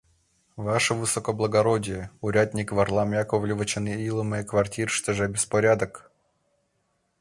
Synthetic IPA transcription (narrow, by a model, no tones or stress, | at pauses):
vaʂəvɨsɔkəblˠəɡɐɾodʲɪjəʊɾʲad̪ʲnʲɪkvɐrlˠamʲjakovlʲɪvət͡ɕɪnɨilˠəmɨjəkvɐrtʲiɾʂt̪ʲəʐabʲɪspɐɾʲad̪ək